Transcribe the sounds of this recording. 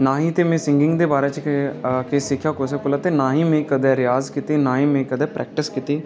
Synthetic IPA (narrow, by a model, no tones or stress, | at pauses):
naːɦĩːt̪eːmẽːsɪŋɡɪ̃ŋɡd̪eːbaːɾeːt͡ʃkesɪkʰːjaːkosɛːkʊlaːt̪eːnaːɦĩːmẽːkəd̪ɛːɾɪjaːzkit̪iːnaːɦĩːmẽːkəd̪ɛːpɾʔɛ̰ːk̚ʈɪskit̪iː